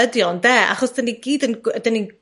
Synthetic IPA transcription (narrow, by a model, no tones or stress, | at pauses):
ədjɔndɛːa̰χɔsd̥əniɡ̥iːdəndənin